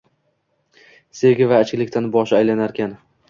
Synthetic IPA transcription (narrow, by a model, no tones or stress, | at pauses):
se̞ɡʲɪvaːt͡ʃlɪkʲt̪ʰanbɒʃajlanaɾkʲan